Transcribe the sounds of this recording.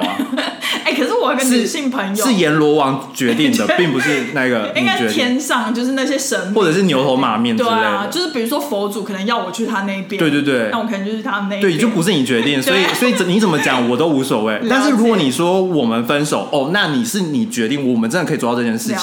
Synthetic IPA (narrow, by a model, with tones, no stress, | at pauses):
e˥˩ɪkʰə˩ʂɻ̩˥˩wɔ˨˩i˥kə˧nʂ̩y˥˨˩ɕi˥˩ŋpʰə˧˥ŋjoʂɻ̩˥˩jɛ˧˥nlwɔ˧˥wɑ˧˥ŋt͡ɕɥɛ˧˥t̪i˥˩ŋd̪ə˩pi˥˩ŋpu˧˥ʂɻ̩˥˧na˥˩ɡə˩i˥˧a˥nt͡ɕɥɛ˧˥jɛ˥nsɑ˥˧ŋt͡ɕjo˥˧ʊʂɻ̩˥˧na˥˩ɕjɛ˦˥ʂə˧˥nwɔ˥˩ʈ͡ʂɤ˨˩ʂɻ̩˥˩njo˧˥ʊt̪ʰo˧˥ʊma̰˨˥mjɛ˥˩ne˥˧˩t͡ɕjʊʂɻ̩˥˩pi˨˩ɻu˧˥ʂwɔ˥fo˧˥ʊt͡su˨˩kʰɤ˨˩nə˧˦ŋjɑ˥˩ʊwɔ˨˩t͡ɕʰy˥˩t̪ʰa˥˨na˥˩i˥˩pj̪we˥˧t̪wt̪we˥˩ɪa˥˩wɔ˨˩k̪ʰə˧˦˧t͡ɕo˥˧˩y˥˩t̪ʰa˥ə˩ne˥˧wjo˥˩pu˧˥ʂɻ̩˥˩ni˨˩t͡ɕɥɛ˧˥t̪i˥˩ŋswɔ˧˥i˨˩swɔ˧˥i˨t͡sə˨˩ni˧˥t͡sə˨˩mə˦t͡ɕjɑ˨˦ŋwɔ˨˩t̪o˥ʊu˧˥swɔ˨˩we˥˩ɪt̪a˥˧nʂ̬ɻ̩˥˩ɻu˥kkwɔ˧˦ni˨˩ʂwɔ˥wɔ˨˩mə˦nfə˦˥nʂo˨˩ʊʔɔ˥˧na˥˩ni˨˩ʂɻ̩˥˩ni˨˩t͡ɕɥɛ˧˥t̪i˥˩ŋwɔ˨˩wɔ˨mə˦nʈ͡ʂə˥nd̪kʰw̪ʈ͡ʂɤ˧˩t͡ɕjɛ˥nʂɻ̩ʰ˥˩i˨